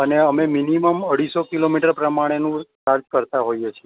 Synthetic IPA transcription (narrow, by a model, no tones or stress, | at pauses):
əneəmeminiməməɽisokilomiʈəɾpɾəmaɽ̃enũt͡ʃaɾd͡ʒkəɾt̪aɦojet͡ʃʰie